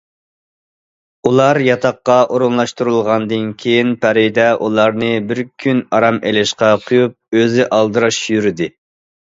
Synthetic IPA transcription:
ulˠɑɾjɑt̪ʰɑqːɑʔoɾunlˠɑʃt̪uɾɨlˠʁɑnd̪ɨnkʲʰejinpʰæɾɪd̪ɛʔulˠɑɾnɨbɪɾkʲʰynɑɾɑmelɪʃqɑqʰʊjup̚øzɪʔɑlˠd̪ɨɾɑʃjyɾɪd̪ɪ

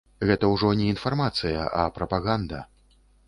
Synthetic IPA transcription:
ɣɛt̪ɐwʐɔnʲɛinfarmat̪sɨjɐʔɐpɾɐpaɣand̪ɐ̰

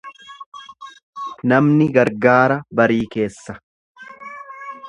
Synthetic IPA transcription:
nɐmnɪɡɐɾɡaːɾɐbɐɾiːke̞ːsːɐ̥

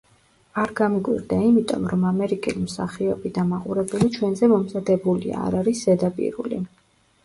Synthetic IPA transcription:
aɾɡamikʼwḭɾd̪aimit̪ʼɔ̰mɾɔmamɛɾikʼilimsa̰χiɔbid̪amaqʼuɾɛbulit͡ʃʰwɛnzɛmɔmzad̪ɛbulia̰ːɾaɾiszɛd̪apʼḭɾṵlḭ

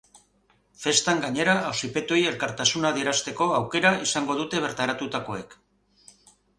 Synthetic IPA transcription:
fe̞st̪aŋɡaɲe̞ɾaːwsipe̞t̪oje̞lkaɾt̪asunaðieɾast̪e̞ko̞awke̞ɾaisaŋɡo̞ð̞ut̪e̞β̞e̞ɾt̪aɾat̪ut̪ako̞e̞k

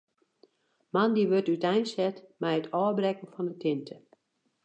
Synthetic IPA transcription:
mandiʋøtytɛjnsɛtmɛjətʰɔːbrɛkən̩fɔndətʰɪntʰə

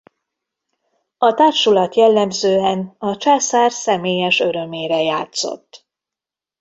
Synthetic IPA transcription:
ɒt̪aːʃulɒt̪jɛlːɛmzøːɛnɒt͡ʃaːsaːrsɛmeːjɛʃø̞ɾø̞meːɾɛjaːt̪so̰t̪ː

